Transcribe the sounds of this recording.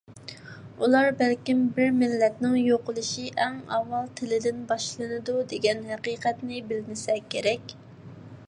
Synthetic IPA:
ulˠɑɾbɛlkʲimbɪɾmɪlːɛt̪nɪŋjoqʊlˠuʃiʔɛŋɑwːɑlˠt̪ʰɪlɪd̪ɪnbɑʃlˠɨnɨd̪ud̪eɡʲɛnɦɛqiːqʰɛt̪nɪbɪlmɪsɛkʲʰːeɾɛkʲ

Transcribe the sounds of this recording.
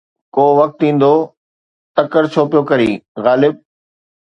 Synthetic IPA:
koːʋɐk̚t̪ĩːn̆d̪oː | t̪ɐkəɾt͡ɕʰoːpijokɐɾḭːɣaːlɪb̚

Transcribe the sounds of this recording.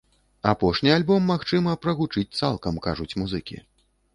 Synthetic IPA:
apɔʂnʲialʲbɔmːaxt͡ʂɨmɐpɾɐɣut͡ʂɨt͡sʲt̪salˠkɐmkaʐut͡sʲmuzɨkʲḭ

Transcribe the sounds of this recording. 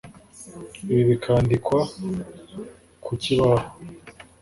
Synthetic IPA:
βiβikʰaːndikwa | kʰuciβaho

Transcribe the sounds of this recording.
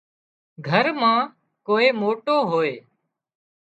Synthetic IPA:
ɡʱəɾmãː | koːeːmoːʈoːɦoːeː

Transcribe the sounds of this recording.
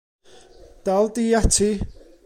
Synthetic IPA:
d̥alˠdiːatʰi

